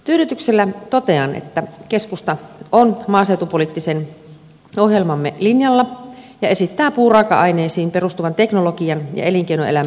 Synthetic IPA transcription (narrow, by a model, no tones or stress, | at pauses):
t̪yːɾyt̪ykselːæt̪ot̪eɑnḛt̪ːækeskust̪ɑʔonmɑːsewt̪upoliˑt̪ːisen | ohjelmɑmːḛlinjɑlːɑjɑe̞sit̪ːæːpuːrɑːkɑ̰ʔɑineːsiːmperust̪uʋɑnt̪eknolokiɑnjɑ̰eliŋkeinoelæm